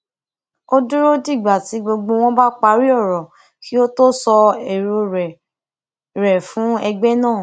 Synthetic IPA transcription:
o˦du˦ɾo˦di˦˨ɡ͡ba˨ti˨˦ɡ͡bo˧ɡ͡bo˧w̃ɔ̃˦ba˦k͡pa˦ɾi˦ɔ˦˨ɾɔ˨ | ki˦o˦to˦sɔ˧ɛ˨ɾo˧ɾɛ˨ | ɾɛ˨fũ˨˦ɛ˧ɡ͡bɛ˦nãː˦˨

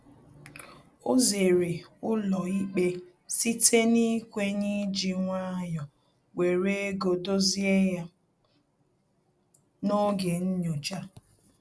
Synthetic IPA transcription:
o˦ze˨ɾe˨ʊ˦lɔ˨i˦k͡pe˦ | si˦tʰe˦ni˦kʷe˦ɲi˦d͡ʒi˨ŋʷa˦jɔ˨ | we˨ɾe˦e˦ɡo˨do˦zi˦e˦ja˦ | no˦ɡe˨n̩˦ɲo˨d͡ʒa˦

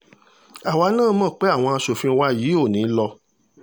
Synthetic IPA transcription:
a˨wa˧˦nãː˦˨mɔ̃˦˨k͡pe˨˦a˦˨w̃ɔ̃˧a˧ʃo˨fĩ˧˦wa˦ji˨˦o˦˨nĩ˨˦lɔ˧

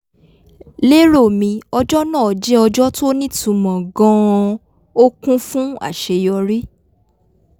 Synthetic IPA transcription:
le˦ɾo˦˨mĩ˧ɔ˧d͡ʒɔ˦nãː˦˨ɔ˨d͡ʒɛ˦ɔ˧d͡ʒɔ˦to˦nĩ˦tũ˨˧mɔ̃˨ɡɔ̃˦˧ | o˦kũ˦fũ˦a̰˦˨ʃe˧jɔ˧ɾi˦

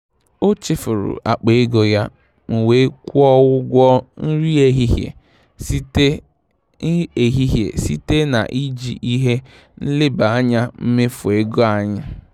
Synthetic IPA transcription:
o˦t͡ʃɪ˦fʊ˨ɾʊ̰˨ʔa̰˨k͡pe˨e˦ɡo˨ja˦ | m̩˨we˦kʷu˦ɔ˦wʊ˦ɡʷɔ˦n̩˦ɾi˦e˦ɦi˦ɦjḛ˨ | si˦te˦ | e˨ɦi˦ɦjḛ˨sḭ˦te˦na̰˨ʔi˦d͡ʒḭ˨ʔi˦ɦe˦ | n̩˦lɪ˦ba˨a˦ɲa˦m̩˦mɪ˦fʊ˨e˦ɡo˦a˨ɲa˦

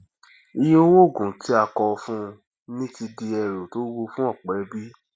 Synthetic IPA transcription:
i˧jo˦wo˦˨ɡũ˨ti˦a˧kɔ˧fũ˦ | nĩ˦ti˧di˧ɛ˧˨ɾo˨to˨˦wo˧fũ˦ɔ˦˨k͡pɛ˨˦bi˦

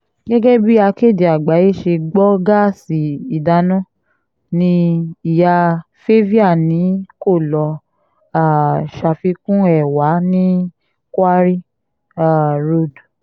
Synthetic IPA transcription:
ɡɛ˦ɡɛ˦bi˦a˧ke˦˨de˨a˨ɡ͡ba˨˦je˦˨ʃe˧ɡ͡bɔ˦ɡa˦si˨i˨da˧nɔ̃˦ | nĩ˧i˨ja˧ | fe˦vi˦a˦˨nĩ˨˦ko˦˨lɔ˧ | a˦˨ʃa˧fi˧˦kũ˦ɛ˦˨wa˨˦nĩ˦ | kʷa˦ɾi˦ | a˦˨ɾo˦˨d

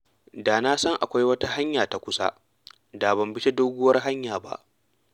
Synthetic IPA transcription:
daː˨na˦sɐ˦ŋʔa˨kʷa˦jwɐ˦ta˦ha˦ɲjaː˨ta˨kʷʊ˦sa̰˦ | da˨bɐ˨mbɪ˦t͡ʃe˦doː˦ɡʷʊ˦wɐ˦rɦa˦ɲjaː˨ba̰˦ʔ

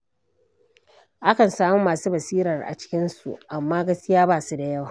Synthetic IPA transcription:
ʔa˦kɐ˨nsaː˦mu˦maː˨suː˦bɐ˨siː˦ɾɐ˨rʔa̰˨t͡ʃɪ̥˦kʲɪ˦nsṵ˨ʔa˨mːaː˦ɡɐ˦skʲi˦jaː˦baː˦˨su˦da˨jɐ˦˨wa˨

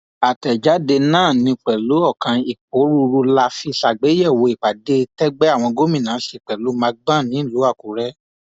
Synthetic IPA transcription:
a˨tɛ˨d͡ʒa˨˦de˧nã˦˨nĩ˧k͡pɛ˨lu˨˦ɔ˦˨kã˧i˨k͡p̚o˨˦ɾu˧ɾu˧la˧fi˧ʃa˨ɡ͡be˨˦jɛ˦˨wo˧i˨k͡pa˨de˧˦tɛ˦ɡ͡bɛ˦a˦˨w̃ɔ̃˧ɡo˦mĩ˦˨nãː˨˦ʃe˧˨k͡pɛ˨lu˨˦mã˧ɡ͡bã˦˨nĩ˨˦ĩ˦˨lu˨˦a˦˨ku˨˦ɾɛ˦

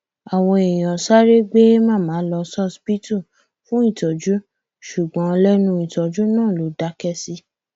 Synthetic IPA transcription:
a˨w̃ɔ̃˧e˨j̃ɔ̃˨sa˦ɾe˦ɡ͡be˦mãː˦˨mãː˨˦lɔ˧sɔ˦spi˦tu˦˨ | fũ˦i˦˨tɔ˨d͡ʒu˦ | ʃu˨ɡ͡bɔ̃˨˦˧lɛ˦nũ˧˦i˨tɔ˨d͡ʒu˦nãː˦˨lo˨˦da˧˦kɛ˦si˦

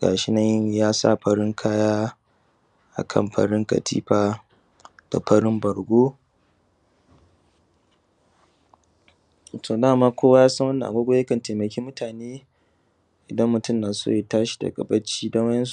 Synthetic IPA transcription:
ɡ̥a̰ː˨ʃɪ˦nɐ˦jjaː˦sa̰˦˨ɸɐ˦ɽɪ˦ŋkʰaː˦jaː˦ | ʔa̰˨kʰɐ̰˦˨mɸɐ̰˨ɽɪ˦ŋkɐ̰˨tʰḭː˦ɸaː˨ | d̥a̰˨pʰɐ˦ɽɪ˦mbɐ˨ɽɡʷoː˦ | tʰoː˨daː˦˨maː˦kʷoː˦wa˦jaː˦sɐ˦wɐ˦nːɐ̃˨ʔa˨ɡʷoː˦ɡʷo˦jɐ˦kɐ˨nteː˨mɐ˨kʲeː˦mʊ˦tʰaː˨neː˦ | ʔɪ˨dɐ˦mːʊ˨tʊ˦˨mnaː˨so̰ː˦je˨taː˦ʃi̥˨da̰˨ɡʼɐ˨bɐ˦t͡ʃiː˦dɐ˦wɐ˦jɛ˦s

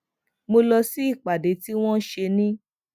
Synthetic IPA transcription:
mo˧lɔ˧si˦i˦˨k͡pa˨de˨˦ti˦w̃ɔ̃˦ʃe˧nĩ˦

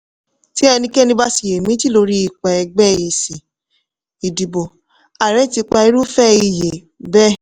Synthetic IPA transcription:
ti˨˦ɛ˧nĩ˧kɛ˦nĩ˧ba˦si˨je˨mĩ˦ti˦lo˧ɾi˦i˦˨k͡pɛ˨ɛ˧ɡ͡bɛ˦˨je˨si˨ | i˨di˨bo˨ | a˨ɾɛ˨˦ti˧k͡pa˧i˧˦ɾu˦fɛ˦i˧˨je˨ | bɛ˦

